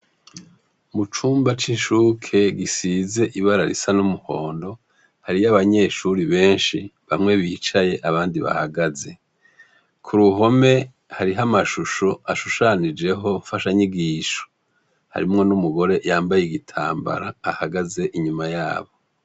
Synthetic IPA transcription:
mut͡ʃuːmbat͡ʃiʃuːkʰe̞ɡisize̞ʔiβaɾaɾḭsanumuho̞ːndo̞ | haɾijaβaɲe̞ːʃuɾiβe̞ːnʃiβamŋe̞βit͡ʃaje̞ʔaβaːndiβa̰haɡaze̞ | kʰuɾuɦo̞me̞ | haɾiɦamaʃuʃoaʃuʃanid͡ʒe̞ɦo̞ɱfaʃaɲiɡiːʃo̥ | ha̰ɾimŋo̞numuɡo̞ɾe̞jaːmbajeɡitʰa̰ːmba̰ɾaːhaɡaze̞ʔiɲumajaːβo̞

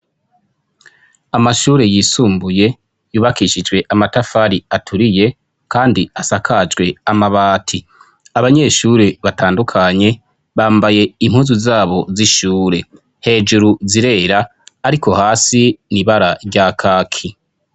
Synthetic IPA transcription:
amaʃuːɾe̞jiːsuːmbuje̞ | juːβakiʃid͡ʒwe̞ʔamatafaɾiatʰuɾije̞ | kaːndiasakʰad͡ʒɡwe̞amaβaːtʰi | aβaɲe̞ʃuːɾe̞βataːndukʰaɲe̞ | βaːmbaje̞im̥huzuzaːβo̞ziʃuːɾe̞ | he̞ːd͡ʒuɾuziɾe̞ːɾaː | ɾikʰo̞haːsiniβaɾaɾɟakʰaːkʰi

